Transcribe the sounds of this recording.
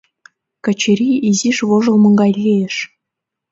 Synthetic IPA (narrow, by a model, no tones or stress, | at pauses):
kɘ̆t͡ɕɘ̆ɾʲiizʲiʂβoʐɤ̆lˠmɤ̆ŋɡɑjlʲːejɘ̆ʃ